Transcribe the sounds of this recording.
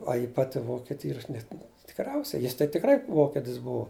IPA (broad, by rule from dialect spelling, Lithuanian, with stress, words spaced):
ˈɐ jɪ ˈpɑːtʲɪ ˈʋoːkʲɪtʲɪ ˈiːrɐ ˈɐʃ nʲɛt tʲɪkˈrʲɛʊsʲɛɪ jɪs tɐɪ tʲɪkˈrɐɪ ˈʋoːkʲɪtʲɪs ˈbʊʊ